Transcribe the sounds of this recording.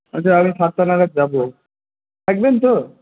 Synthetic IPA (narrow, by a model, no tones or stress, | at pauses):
ɔt͡ɕʰaamisaɾt̪ːanaɡat̪̚d͡ʑabo | t̪ʰɛk̚bent̪o